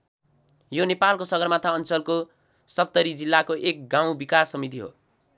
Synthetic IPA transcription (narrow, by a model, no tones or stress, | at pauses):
jonepalkosʌɡʌrmat̪ʰaʌnt͡sʌlko | sʌp̚t̪ʌɾid͡zilːakoʔek̚ɡãw̃bikasːʌmit̪̬iɦo̰